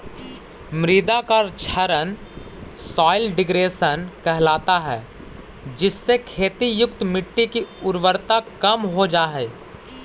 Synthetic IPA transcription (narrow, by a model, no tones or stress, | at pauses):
mɾɪd̪akaɾt͡ʃʰəɾən | sɔːɪlɖɪɡɾeːsənkɛɦlaːt̪aɦɛː | d͡ʒɪsːekʰeːt̪ijʊkt̪mɪʈːikiʊɾwəɾt̪akɐmɦod͡ʒaːɦɛː